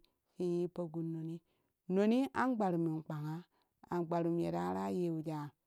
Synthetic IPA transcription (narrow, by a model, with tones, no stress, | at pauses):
si˦ji˦pə˦ɡu˨˦no˨ni˦ | no˨ni˦ʔa˦ŋ˦ɡ͡ba˨ɾu˨mi˨k͡pa˨ŋa˦ | a̰˨ɡ͡ba˨ɾu˨m˨e˨ɾa˦ɾa˦je˨˦˨wu˨d͡ʒa˨˦˨